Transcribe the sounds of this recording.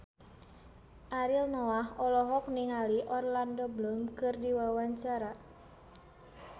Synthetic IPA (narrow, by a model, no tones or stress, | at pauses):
ʔaɾilnɔahɔlɔɦɔk̚niŋaliʔɔrlandɔblɔmkɨrdiwawaɲt͡ʃaɾa